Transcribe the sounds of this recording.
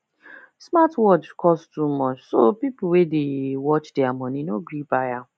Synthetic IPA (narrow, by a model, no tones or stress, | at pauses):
smatwɔdkʰɔstumɔt͡ʃsopipul̩wedewɔt͡ʃdeamɔ̃ninoɡɹibaja